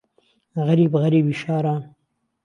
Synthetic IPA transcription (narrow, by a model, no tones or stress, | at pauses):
ɣaɾiːbɣaɾiːbiʃɑːɾa